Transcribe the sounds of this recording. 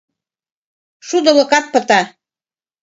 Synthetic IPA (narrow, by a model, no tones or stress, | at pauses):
ʃud̪ɤ̆lɤ̆kɑt̪̚pɤ̆t̪ɑ